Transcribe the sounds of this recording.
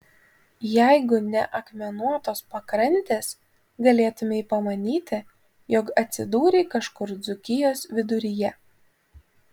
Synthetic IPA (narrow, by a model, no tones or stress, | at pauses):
jæˑɪɡʊnʲɛʔɐkmʲɛnuɔt̪oːspɐkɾɐnʲt̪ʲeːs | ɡɐlʲeːt̪ʊmʲɛiːpɐmɐnʲiːt̪ʲɪ | jɔkɐt̪ʲsʲɪd̪uːɾʲeːkɐʃkʊɾd̪zʊkʲɪjoːsʋʲɪd̪ʊɾʲɪjɛ